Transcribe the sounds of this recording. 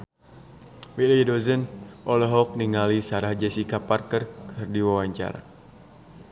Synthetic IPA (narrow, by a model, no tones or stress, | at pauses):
wilidɔzənʔɔlɔɦɔk̚niŋalisaɾahd͡ʒɛsikapːarkərkʰərdiwawaɲt͡ʃa̰ɾa̰